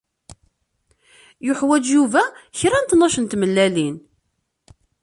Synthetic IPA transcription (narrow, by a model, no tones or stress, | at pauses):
jʊħwæd͡ʒjuvæçɾænt̪nɑʃənt̪məlːælin